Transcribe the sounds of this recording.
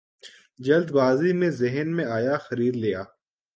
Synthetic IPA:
d͡ʒɐld̪baːzimẽzɪɦənmẽaːjaxɐɾiːd̪lijaː

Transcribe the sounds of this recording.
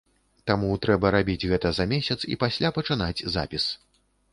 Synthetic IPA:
t̪amut̪ɾɛbɐɾabʲid͡zʲɣɛt̪ɐzɐmʲesʲɐt̪sḭpasʲlʲʔapɐt͡ʂɨnad͡zʲza̰pʲis

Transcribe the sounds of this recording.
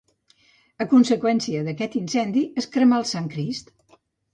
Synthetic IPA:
əkunsəkwɛnsiəðəkɛt̪insɛnd̪iəskɾəmalˠsaŋkɾist̪

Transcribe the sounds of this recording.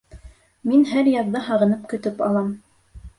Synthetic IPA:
minɦæɾjɑððɑɦɑʁɤ̆nɤp̚kɵ̆t̪ɵpɑ̰lˠɑm

